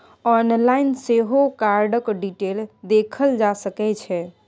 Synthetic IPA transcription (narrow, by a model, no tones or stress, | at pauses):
ɔnlainseɦokaɾɖəkɖiʈeld̪ekʰəld͡ʒasəkɛt͡ʃʰɛ